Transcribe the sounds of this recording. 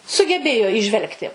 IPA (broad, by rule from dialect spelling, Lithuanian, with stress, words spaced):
sʊɡʲɛˈbʲeːjoː iːˈʒʲʋʲɛlˠktʲɪ